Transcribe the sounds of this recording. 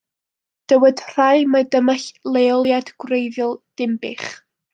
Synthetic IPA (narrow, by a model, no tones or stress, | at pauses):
d̥əwədr̥ajmadəmaɬlˠeɔlˠjad̥ɡwrejðjɔlˠd̥ɪmbɪχ